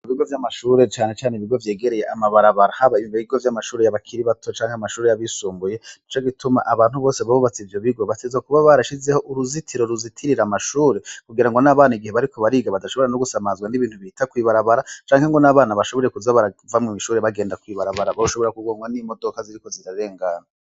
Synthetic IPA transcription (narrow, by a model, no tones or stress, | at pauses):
iβiɡo̞vjamaʃuːɾe̞t͡ʃaːne̞t͡ʃaːneiβiɡo̞vje̞ːɡe̞ɾe̞je̞ʔamaβaɾaβaɾahaβaiiβiiɡo̞vjamaʃuːɾe̞jaβakʰiɾiβatʰo̞t͡ʃaːŋheamaʃuːɾe̞jaβisuːmbuje̞it͡ʃo̞ɡitʰuma̰ʔaβaːnhuβo̞ːseβaβuβat͡sivjo̞βiɡo̞βatezwakuβaβaɾaʃize̞ho̞ʔuɾuzitʰiɾoɾuzitʰiɾiɾamaʃuːɾe̞kuɡiɾaŋɡo̞naβaːnaiɡiheβaɾikʰo̞βaɾiːɡaβadaʃoβoɾanoɡusamaːzɡwaniβiːnthuβiitakwiːβaɾaβaɾat͡ʃaːŋheŋɡo̞naβaːnaβaʃoβo̞eɾekuzaβaɾavamŋimiʃuːɾeβaɡe̞ːndakwiːβaɾaβaɾaβaɾuʃo̞βo̞ɾakuɡoːŋɡwanimo̞dokaziɾiko̞ziɾaɾe̞ːŋɡaːna